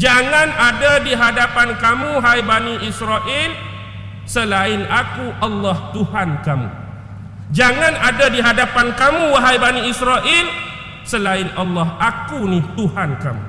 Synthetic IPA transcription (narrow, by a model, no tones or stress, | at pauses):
d͡ʒaŋanadadiɦadapankamuɦajbaniʔisɾaʔɪl | səlaɪnakuʔɑlːɑht̪uhankamṵ | d͡ʒaŋãnadadiɦadapankamuwaɦajbaniisɾaʔɪl | səlaɪnɑlːɑhakuniht̪uhanka̰mṵ